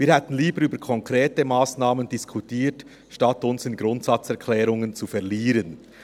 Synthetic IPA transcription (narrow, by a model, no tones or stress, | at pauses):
viːhɛtn̩liːbəɾyːbəkʰɔŋkʁ̥eːtəmaːsnaːməndiskʰutiːt | ʃtɑtʊnsɪnɡɾʊntsɑt͡sɛɐkʰlɛːɾʊŋənt͡sufɛɐʁliːɾən